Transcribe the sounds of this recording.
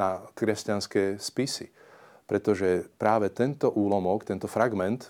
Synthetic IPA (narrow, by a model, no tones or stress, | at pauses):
akɾɛscanskɛːspisḭ | pɾɛt̪ɔʒɛpɾaːʋɛt̪ɛnt̪ɔʔuːlɔmɔkt̪ɛnt̪ɔfɾaɡmɛnt̪